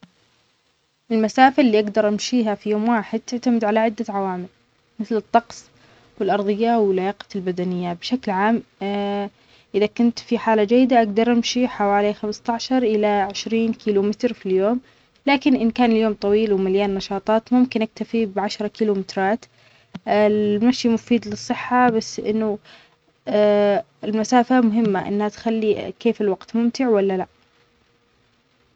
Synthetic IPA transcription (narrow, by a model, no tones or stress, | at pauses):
ʔɪlmasaːfɪlːiːʔaɡd̪ɑɾˤʔamʃiːɦafijoːmwaːħɪd̪̚t̪ɪʕt̪amɪd̪ʕalaʕɪd̪ːaʕawaːmɪl | mɪθlɨt̪ˤːɑqsˤ | wɪlʔɑɾˤðˤɨjːawɪlːajaːqɑ̥lbad̪anɪjːabʃaklʕaːm | ʔɪðakʊnt̪fiħaːlad͡ʒajːɪd̪aʔaɡd̪ɑɾˤʔamʃiħawaːlixamst̪aʕʃɑɾˤʔɪlaʕɪʃɾiːnkiːlumɪt̪ɾfiljoːm | laːkɪnʔɪnkaːnɪljoːmt̪ˤɑwiːlwɪmaljaːnːɑʃɑːt̪ˤɑːt̪mʊmkɪnʔak̚t̪afibʕaʃɾˤɑkiːlumɪt̪ɾˤɑːt̪ | ɪmaʃjimʊfiːd̪lɨsˤːɨħːabasːʔɪ̰nːʊ | ɪlmasaːfamʊɦɪmːaʔɪ̰nːhat̪xalːikeːfɪlwaɡt̪mʊmt̪ɪʕwalːalaʔ